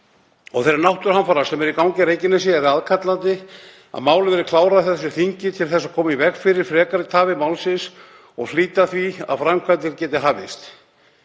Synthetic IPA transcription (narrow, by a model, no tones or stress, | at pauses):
ɔɣθɛɾaɾnawht̪ʏɾ̥hanfaːɾasɛmɛɾikawŋɲcɪɾeːjcɪnas̬ɪɛɾaðkʰat̪lant̪ɪ | a̰ðmaːwlɪvɛɾɪkʰlaːwɾaðθɛs̬ːʏθiɲcɪt̪ʰɪlθɛs̬ːakʰɔːmaivɛkfɪɾɪɾ̥fɾɛːkaɾɪt̪ʰaːvɪmawlsɪns | ɔɣliːt̪aθvia̰ðfɾamkʰvajt̪ɪɾcɛːt̪ɪɦaːvɪ̰st̪